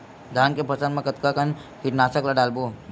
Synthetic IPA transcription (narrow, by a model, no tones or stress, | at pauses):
d̪ʱaːnkepʰɐsənmẽkət̪kakənkiʈnaːsəklaɖaːlbo